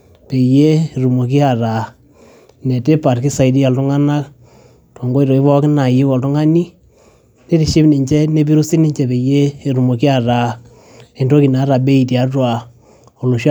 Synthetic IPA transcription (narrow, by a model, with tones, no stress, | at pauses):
pe˨je˦˨ɾu˨mo˨k̬i˦a˨ɾa˨ | nɛ˨te˦pa˨ɾkɪ˦sa˨i˨di˦a˨ltʊ˦ŋa˦na˦k | tɔ˨ŋɡo˦i˨ɾɔ˨i˦βɔ˦kɪ˦na˨jɪ˦kɔ˨ltʊ˦ŋa˦ni˦ | ne˦ti˨ʃɪ˦bni˨ɲt͡ʃɛ˦ne˦b̬i˦ɾu˦si˦nɪ˦ɲt͡ʃɛ˨pe˨jeː˦˨ɾu˨mo˨ki˦a˨ɾa˨ | e˨ndo˦ki˨na˨˦ɾa˨be˦i˨ti˨a˨twa˨ | ɔ˨lu˨ʃ